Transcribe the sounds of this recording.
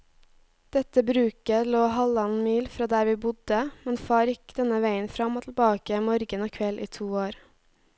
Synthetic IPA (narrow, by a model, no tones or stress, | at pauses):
d̪̥ɛt̪əbɾʉːkəloːhɑlɑnmiːlfɾɑːd̪æːɾʋiːbʊd̪əmɛnfɑːɾjɪkd̪̥ɛnəʋæɪənfɾɑmoːt̪l̩bɑːkəmɔɾɡənoːkʰʋɛlʔḭːt̪ʰuːoːɾ